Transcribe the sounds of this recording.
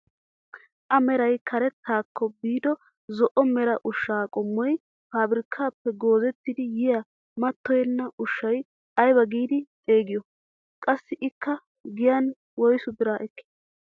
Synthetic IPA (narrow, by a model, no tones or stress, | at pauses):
ʔɐmɛɾɐjkʰɐɾɛt̪ːaːkʰːɔbiːd̪ɔ | zɔʔɔmɛɾɐʔʊʃːaːkʼɔmːɔj | faːbɪɾɪkʰːaːpːɛɡo̞ːzɛt̪ːɪd̪ɪjɪja | mɐt̪ːɔjɛnːɐʔʊʃːɐj | ɐjbɐɡiːd̪ɪt̪ʼe̞ːɡɪjɔ | kʼɐsːɪʔɪkːɐ | ɡɪjan | wɔjsʊbɪɾaːʔɛkːɪ̥